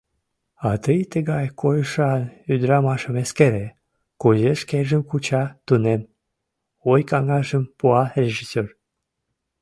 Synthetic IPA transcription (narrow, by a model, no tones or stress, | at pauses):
ɑt̪əjt̪əɣɑjkʰojəʃɑnyd̪ɾɑmɑʃəmeskeɾe | kuzeʃkeʒəmkut͡ɕɑt̪unem | ojkɑŋɑʒəmpuɑrʲeʒisør